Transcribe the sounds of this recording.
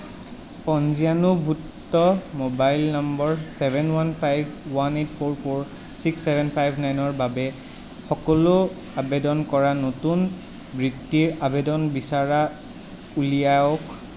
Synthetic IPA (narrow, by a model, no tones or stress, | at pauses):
pɔnzianubʱutːɔmobajlnambɔɹsɛbʱɛnwanpʰajbʱwanetpʰoɹpʰoɹ | siksːɛbʱɛnpʰajbʱnajnɔɹbabɛ | xɔkɔlo | abedɔnkɔɹanotun | bɹitːiɹabedɔnbisaɹa | ulijaɔk